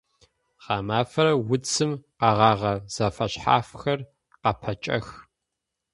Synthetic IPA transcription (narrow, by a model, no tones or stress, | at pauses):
ʁɑːmaːfɐɾɐwʊt͡sʰɨmqɑʁɑːʁɐz̥ɐfɐɕħa̰ːfxɐr | qɐpʰɐt͡ʃʼɐ̰x